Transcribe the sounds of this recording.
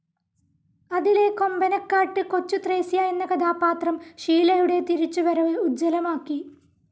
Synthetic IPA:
ɐðile̞ko̞mbɐnɐkːaːʈːɨko̞t͡ɕːut̪reːsijaːjenːɐkɐd̪aːpːaːt̪rɐmɕiːlɐjuɽe̞t̪iɾit͡ɕːuʋɐɾɐʋɨud͡ʑːɐlɐmaːkːi

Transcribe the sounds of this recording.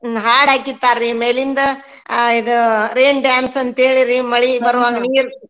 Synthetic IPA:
ɦaːɽaːkit̪ːaːɾːimeːlind̪ɐ | id̪uɾeːɳɖjaːnsɐnt̪eːɭiɾimɐɭibɐɾʋaːɡɐniːɾ

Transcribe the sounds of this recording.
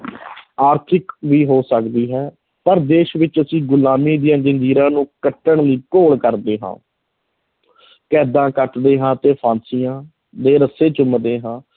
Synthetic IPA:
aːɾt̪ʰɪkʋiːɦoːsəkd̪iːɦɛː | pəɾd̪eːʃʋɪt͡ʃəsĩːɡʊlaːmiːd̪ɪjãːd͡ʒənd͡ʒiːɾãːnũːkəʈːəɳliːkoːlkəɾd̪eːɦã̰ː | kɛːd̪ãːkəʈd̪eːɦãːt̪eːpʰãːnsijãː | d̪eːɾəseːt͡ʃʊmd̪eːɦãː

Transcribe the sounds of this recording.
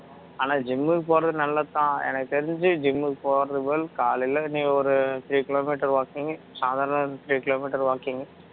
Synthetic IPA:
aːnãːd͡ʒɪmːɯkpoːɾɐðɯnɐlːɐt̪ːãːɛ̰nɐkːɯt̪ɛɾɪɲd͡ʒɯd͡ʒɪmːɯkpoːɾɐðɯʋelkaːlɪlɐnĩːɡɔɾɯt̪ɪɾiːkɪloːmiːʈːɐɾʋaːkiŋɡɐ | saːðaːɾɐɳɐt̪ɪɾiːkɪloːmiːʈːɐɾʋaːkiŋɡɐ

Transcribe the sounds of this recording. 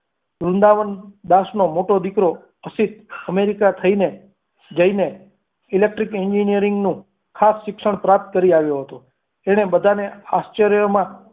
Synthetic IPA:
ɾund̪aʋənd̪asnomoʈod̪ikɾo | əsit̪̚əmeɾikat̪ʰəine | d͡ʒəine | ilek̚ʈɾikɛɲd͡ʒinijəɾɪŋɡnũ | kʰasʃɪkʃəɳ̃pɾap̚t̪̚kəɾiaʋjoɦət̪o | eɽ̃ebəd̪ʱaneast͡ʃəɾjomã

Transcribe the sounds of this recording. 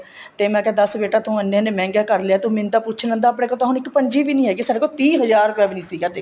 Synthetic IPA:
t̪eːmɛ̃ːkɛ̃ːd̪əsbeːʈaːt̪ʰõːənːẽːnẽmɛ̃ːŋɡaːkəɾleaːt̪õːmɪ̃nt̪aːpʊːt͡ʃʰlə̃ːnd̪aːp̬ɽẽːkoːt̪oːɦʊnɪkpəɲd͡ʒiːʋiːnĩːɦɛːɡiːsaːɖeːkolt̪ĩːɦəzaːɾʊpjaːʋiːnĩːsiːɡaːt̪e

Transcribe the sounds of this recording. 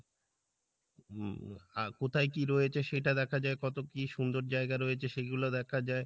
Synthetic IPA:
akot̪ʰajkiɾɔjet͡ɕʰeʃeʈad̪ɛkʰad͡ʑaekɔt̪okiʃund̪oɾd͡ʑaeɡaɾɔjet͡ɕʰeʃeɡulod̪ɛkʰad͡ʑae

